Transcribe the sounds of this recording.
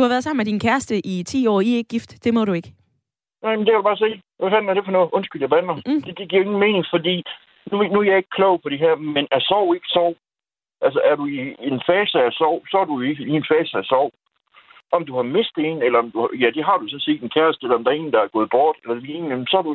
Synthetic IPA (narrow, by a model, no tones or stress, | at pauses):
d̥uhɑʋæɐðˠsɑ̈m̰n̩med̥inkʰæɐsd̥əʔit͡sʰḭːɒ̰ːieɡ̥̚ɡ̥ːifd̥d̥e̝mɒ̽ɾue̝ɡ̥ | nɑ̈ɪmendekʰædub̥ɑːs̬eːʋæfænæɐɾ̥e̝fɒnɔ̽ːð̩ˠʔɔ̽nsɡ̥yljɐb̥ænɐd̥e̝d̥e̝ɡ̥iɐ̰e̝ŋn̩me̝ːne̝ŋfɒ̽d̥ḭː | nunuæjɑ̈e̝ɡ̥əkʰlɔʊpʰɒ̽ɾ̥e̝ɦɛɐ̰menæɐsɒʊ̰e̝ɡ̥ə̥sɒʊ̰ | ʔælsəʔæɐɾuie̝nfɛːsəæsɒʊ̰sɒ̽ædujoe̝ɡ̥ienfɛːsəæsɒʊ̰ | ʔɒ̽md̥uhɑ̈me̝sd̥e̝ːnelɐɒ̽md̥uhjæd̥e̝ɦɑ̈ɾ̥usɒ̽n̩se̝̰ːd̥enkʰæɐsd̥əelɐɒ̽md̥ɑɐe̝ːn̩d̥ɑæɐɡɔ̽ːð̞̩ˠb̥ɒːd̥elɐd̥eliennenm̩sɒ̽æɾu